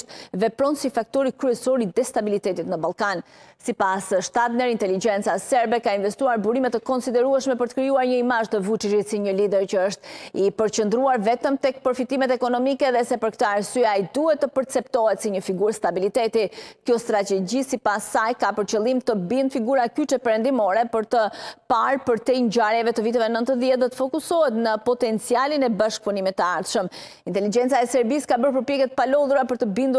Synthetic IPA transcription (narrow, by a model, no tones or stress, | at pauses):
t̪̚vɛpɾɔnsifak̚t̪ɔɾikɾyɛsɔɾid̪ɛst̪abilit̪ɛt̪it̪nəbalˠkansipasʃt̪at̪nɛɾint̪ɛlid͡ʒɛnt͡sasɛɾbɛkainvɛst̪uaɾbuɾimɛt̪ːəkɔnsid̪ɛɾuɛʃmɛpəɾt̪ə̥kɾijuaɾɲəimaʒt̪əvut͡ʃiʃit̪siɲəlid̪ɛɾt͡ɕəəʃt̪ipəɾt͡ɕənd̪ɾuaɾvɛt̪əmt̪ɛk̚pəɾfit̪imɛt̪ɛkɔnɔmikɛðɛsɛpəɾkt̪əaɾsyaid̪uɦɛt̪ːəpəɾt͡sɛpt̪ɔhɛt̪siɲəfiɡuɾst̪abilit̪ɛt̪ikjɔst̪ɾat̪ɛd͡ʑisipasːajkapəɾt͡ɕəlˠimt̪əbinfiɡuɾakyt͡ʃɛpɛɾɛnd̪imɔɾɛpəɾt̪əpaɾpəɾt̪ɛɲɟaɾjɛvɛt̪əvit̪ɛvɛnənt̪əðjɛt̪̚d̪ɔt̪ə̥fɔkusɔɦɛt̪nəpɔt̪ɛnt͡sialinɛbaʃk̚punimit̪ːəaɾʃəm | int̪ɛlid͡ʒɛnt͡saɛsɛɾbiskabəɾp̬əɾpjɛkɛt̪əpalɔðuɾapəɾt̪əbind̪u